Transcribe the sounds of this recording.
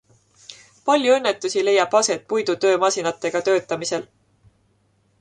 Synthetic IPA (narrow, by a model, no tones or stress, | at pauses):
pɑlʲjuɤ̞nːe̞t̪ːˑusile̞jːɑb̥ɑse̞t̪̚pujd̪ut̪ø̞ːmɑsinɑt̪ˑːe̞ɡ̥ɑt̪ø̞ːt̪ːˑɑmise̞l